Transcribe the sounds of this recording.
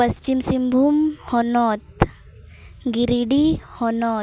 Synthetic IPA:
pɐst͡ʃimsimbʱumhɔnɔːt̪̚ | ɡiɾiɖihɔnɔːt̪

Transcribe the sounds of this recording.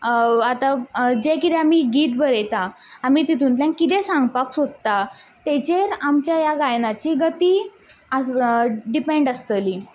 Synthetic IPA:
at̪ad͡ʑekit̪ɛamiɡʱiːt̪̚bəɾet̪aː | miːt̪it̪ʰuːnt̪lãŋkːit̪ɛ̃sãŋɡpaksod̪̚t̪at̪et͡ɕeɾamt͡ɕjajaɡajnat͡ɕiɡət̪iː | əsɖipẽɳɖəst̪əli

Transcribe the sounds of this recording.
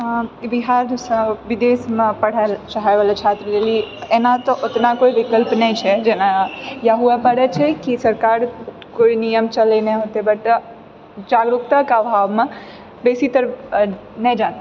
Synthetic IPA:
biɦaɾsəbid̪esmẽpəɽ̤alt͡ʃaɦaʋalet͡ʃʰat̪ɾəɾelienat̪ɔʔot̪nakoibikəlpnɛt͡ʃʰɛd͡ʒenajaɦuepəɽɛt͡ʃʰɛkisəɾkaɾ | koinijəmt͡ʃəlɛneɦot̪ebəɾt̪ə | d͡ʒaɡɾukt̪akəbʱaʋmẽ | besit̪əɾ | nəd͡ʒãt̪e

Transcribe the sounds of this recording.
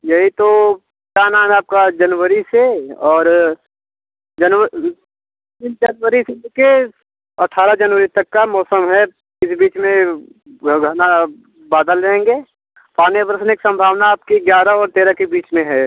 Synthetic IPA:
jɐɦit̪o | kaːnaːnaːp̚kad͡ʒɐnʋəɾiseɔːɾ | d͡ʒɐnwə | ɪnd͡ʒɐnwəɾised͡ʒeke | ɐʈʰːaːɾad͡ʒɐnʋəɾit̪ɐkːamɔːsəmɦɛ | ɪsbiːt͡ʃmẽ | ɡʱɐna | baːd̪əlɾeẽːŋɡeː | paːnebəɾsneksə̃mbʱaːʋnaaːp̚kiɡjaːɾaɔːɾt̪eːɾakebiːt͡ʃmẽɦɛː

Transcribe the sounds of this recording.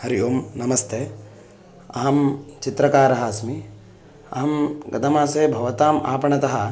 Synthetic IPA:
hɐɾijoːmnɐmɐst̪ʰeː | ɐ̰ɦɐmt͡ʃit̪ɾɐkaːɾɐɦɐsmi | ɐɦɐmɡɐ̰d̪ɐmaːseːbʱɐʋɐt̪aːma̰ːpɐɳɐt̪ɐɦɐ

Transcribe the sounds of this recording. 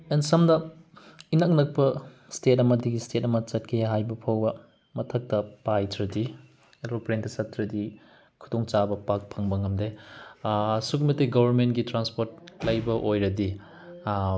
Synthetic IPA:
ensɐmdɐ | inɐk̚nɐk̚pɐ | stetɐmɐdiɡistetɐmɐt͡ʃɐt̚kʰeɦajbɐpʰɐwbɐ | mɐtʰɐk̚tɐpajtʰɾɐdi | ɾopɾentɐsɐtʰːɾɐdi | kʰu̥doŋt͡ʃabɐpak̚pʰɐŋbɐŋɐmde | sukmɐtːeɡɐbʱɐɾmentɡitɾanspoɾt̚lɐjbɐʔojɾɐdi

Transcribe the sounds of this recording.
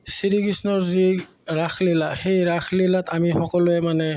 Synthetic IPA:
siɹikisnɔɹzi | ɹaxʰlilaxejɹaxʰlilatamixɔkɔlʊɛmanɛ

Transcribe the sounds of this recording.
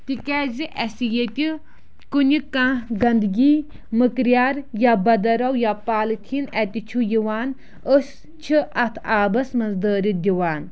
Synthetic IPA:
t̪ikɛːziʔɛsijet̪ʲi | kunʲikãːɡɐnd̪ɡiː | mɨkɾjaːɾjabɐd̪ɐɾɐwjapaːlɨt̪ʲʰinɛt̪ʲit͡ʃʰujiwaːn | əs | t͡ʃʰiɐt̪ʰaːbɐsmɐnzd̪əːɾid̪ʲiwaːn

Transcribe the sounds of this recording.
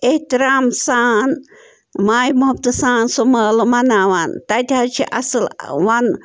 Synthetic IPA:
eht̪iɾaːmsaːn | maːjmɐɦɐb̚t̪saːnsoməlmɐnaʋant̪at̪ʲat͡ʃʰḭʔɐ̰sɨlʋan

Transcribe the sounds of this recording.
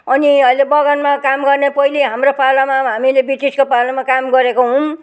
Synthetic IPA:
ʌniʌjlebʌɡʌnmakamɡʌrnepʌɦiliɦamropʰalamaɦamilebiʈiskopalamakamɡʌɾekoɦũm

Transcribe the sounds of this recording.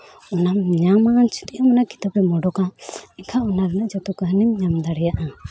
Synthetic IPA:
ɔnamɲamant͡ʃʰi̥t̪iʔamanaki̥t̪apɛmɔɖɔkaɛkʰaɔnaɾɛnəʔd͡ʒɔt̪ukəɦənimɲamd̪aɽɛjaʔa

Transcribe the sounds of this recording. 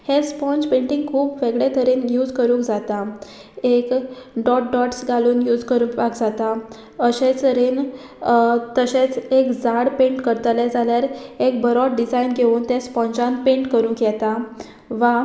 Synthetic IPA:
hespɔ̃nd͡zpẽɳʈĩŋɡkʰuːpʋeɡɭet̪əɾenjuːd͡zkəɾũːkd͡zat̪a | ekɖɔʈ̚ɖɔʈsɡaluːnjuːd͡zkəɾũpakd͡zat̪a | əɕet͡səɾen | t̪əɕet͡sekd͡zaɽpẽɳʈkəɾt̪led͡zaljaɾek̚bəɾɔʈ̚ɖid͡zainɡʱeuːnt̪ɛ̃spɔ̃nd͡ʑãnpẽɳʈkəɾũːkjɛt̪a | ʋa

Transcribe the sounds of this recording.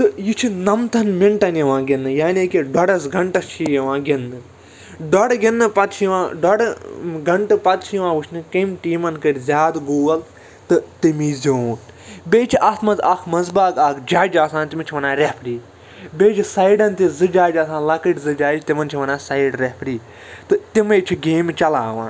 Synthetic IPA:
t̪ɨjit͡ʃʰinɐmt̪ʰɐnmiɳʈɐniʋãːɡʲenːɨjaːneːkeɖɔɽɐsɡɐɳʈɐst͡ʃʰijɐʋãːɡʲenːɨ | ɖɔɽɡʲenːɨpɐt̪t͡ʃʰijʋãːɖɐɽɡɐɳʈɨpɐt̪̚t͡ʃʰjiʋãːʋɨt͡ʃʰnɨkɐmʈiːmɐnkɐɾʲzʲaːd̪ɡoːɡɐl | t̪ɨt̪imiːzʲoːn | beːt͡ʃʰiʔɐt̪ʰmɐzakʰmɐzbaːɡakʰd͡ʒaːd͡ʒaːsãːnt̪imɐt͡ʃʰiʋɐnaːɾʲepʰɾiː | beːt͡ʃʰisɐjɖɐnt̪izɨd͡ʒaːd͡ʒaːsãːnlɐkəʈzɨd͡ʒaːd͡ʒt̪imɐnt͡ʃʰiʋɐnaːsɐiɖɾepʰɾiː | t̪ɨt̪imɐt͡ʃʰiɡeːmt͡ʃɐlaːʋã̰ː

